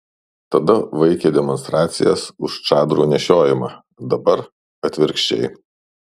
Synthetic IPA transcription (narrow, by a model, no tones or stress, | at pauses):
t̪ɐd̪ɐʋɐɪkʲeːd̪ʲɛmɔnst̪ɾɑːt̪sʲɪ̰jɛsʊʃt͡ʃɑːd̪ɾuːnʲɛʃʲoːjɪmɑː | d̪ɐbɐɾ | ɐt̪ʲʋʲɪɾʲkʃʲt͡ʃʲɛ̰ɪ